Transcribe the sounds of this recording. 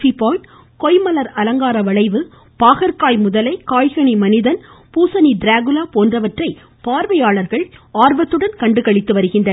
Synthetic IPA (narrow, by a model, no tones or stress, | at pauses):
fipoː | kɔɪmɐlɐɾɐlɐŋɡaːɾɐʋɐɭɐɪʋɯ | paːɣɐɾkaːjmʊðɐlɐɪkaːjɣɐɳimɐnɪðɐnpuːsɐniɖɾaːɣɯlaːpoːndrɐʋɐʈrɐɪ | paːɾʋɐjaːɭɐɾɣɐɭaːɾbɐt̪ːɯɽɐnkɐɳɖɯkɐɭɪt̪ːɯʋɐɾɯɣɪnɖɐ